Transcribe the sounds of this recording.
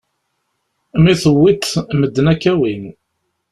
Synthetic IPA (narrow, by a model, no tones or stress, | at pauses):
miθəwːit̪məd̪ːnækːæwin